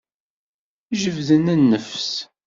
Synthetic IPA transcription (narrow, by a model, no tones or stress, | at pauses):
ʒəvðənənːəfs